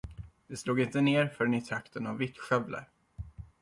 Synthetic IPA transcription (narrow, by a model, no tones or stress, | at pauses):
d̪̥ɛsluːɡɪnt̪əneːɾfœɖɛnɪt̪ʰɾakt̪ənavːɪt̪ɧœvlə̰ɾ